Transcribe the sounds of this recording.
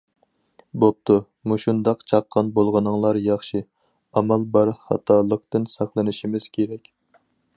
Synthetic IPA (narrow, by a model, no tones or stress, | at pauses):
bop̚t̪ʰu | muʃund̪ɑqt͡ʃʰɑqʰːɑnbolˠʁənɨŋlˠɑɾjɑχʃi | ɑmɑlbɑɾχɑ̰t̪ʰɑlˠəq̚t̪ɨnsɑχlˠɨnɨʃimɪz̥kʲʰeɾɛkʲ